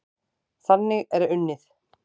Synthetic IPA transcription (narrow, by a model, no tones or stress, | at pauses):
θanːɪɣɛɾʏnːɪθ